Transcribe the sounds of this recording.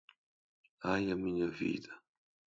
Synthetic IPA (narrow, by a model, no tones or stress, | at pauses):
ajamiɲavḭːt̪a